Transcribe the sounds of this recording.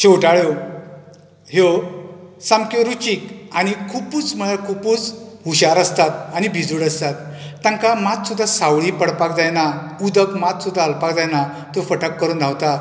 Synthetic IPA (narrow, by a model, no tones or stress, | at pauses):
t͡ɕowʈaɭjo | ɦe | sãmkoɾut͡ɕiːkañikʰupuːt͡sməɭakʰupuːt͡sɦuɕaɾəst̪at̪̚añibʱid͡zuːɽəst̪at̪ːjãŋkamat̪sud̪ʱːasawɭipəɽpak̚d͡zajnaud̪əkmat̪sud̪ʱːaːlpakd͡zajna | t̪ofəʈəkːəɾuːnd̪ʱawt̪a